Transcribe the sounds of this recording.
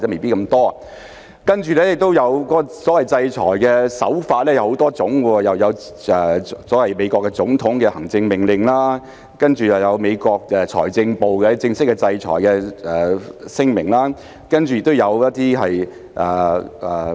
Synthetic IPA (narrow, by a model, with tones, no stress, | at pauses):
t͡sɛː˥me˨jpi˥kɐ˧mt̪ɔː˥ | kɐ˥nt͡ʃyː˨lɛː˥˩jɪ˨k̚t̪o˥wjɐ˨˧wkɔː˥ɔ˧sɔː˨˥wɐ˨jt͡sɐ˧jt͡ʃʰɔ̰ː˨˩jkɛː˧sɐ̰˨˥wfaː˧t̚lɛː˥jɐ˨˧who˨˧˥wt̪ɔː˥t͡sʊ˨˥ŋkɔː˧jɐ˨wjɐ˨˧w | ɛ˨˩sɔː˨˥wɐ˨˩jme˨˧jkʷɔː˧kːɛ˧t͡sʊ˨˥ŋt̪ʰʊ˨˥ŋkɛː˧hɐ˨˩ŋt͡sɪ˧ŋmɪ˨˩ŋlɪ˨ŋlaː˥ | kɐ˥nt͡ʃyː˨jɐ˨˩wjɐ˨˧wme˨˧jkɔː˧k̚ɛ˨t͡ʃʰɔ̰ː˨˩jt͡sɪ˧ŋpo˨wkɛ˧t͡sɪ˧ŋsɪ˥kːɛ˧t͡sɐ˧jt͡ʃʰɔ̰ː˨˩jkɛ˧ɛː˨˩sɪ˥ŋmɪ˨˩ŋlaː˥ | kɐ˥nt͡ʃy˨jɪ˨k̚t̪o˥wjɐ˨˧wjɐ˥t̚t̪iː˥ɦɐ˨j | ʔɛː˨˩ʔɛː˨˩